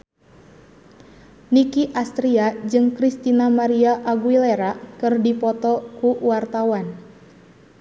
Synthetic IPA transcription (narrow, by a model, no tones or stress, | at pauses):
nikiʔast̪ɾiad͡ʒɨŋkɾist̪inamaɾiaʔaɡuwilɛɾakɨrdipɔt̪ɔkuwart̪awan